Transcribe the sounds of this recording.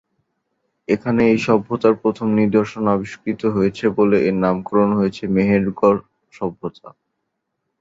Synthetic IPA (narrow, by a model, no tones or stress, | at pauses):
ekʰaneejʃɔbʱːot̪aɾpɾot̪ʰomniɾd̪oɾʃonabiʃkɾit̪oɦojet͡ɕʰeboleʔenamkoɾonɦojet͡ɕʰemeɦeɾɡɔɾ | ʃɔbʱːot̪a̰